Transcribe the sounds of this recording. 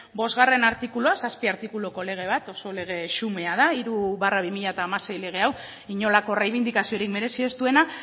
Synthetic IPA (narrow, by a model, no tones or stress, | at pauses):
bo̞zɣare̞naɾt̪ikuloasaspiaɾt̪ikulo̞ko̞le̞ɣ̞e̞βat̪o̞so̞le̞ɣ̞e̞ʃume̞að̞aiɾuβaraβ̞imiʎaet̪aːmase̞jle̞ɣ̞e̞aw | iɲo̞lako̞rejβ̞ind̪ikasio̞ɾikme̞ɾe̞sie̞st̪ue̞na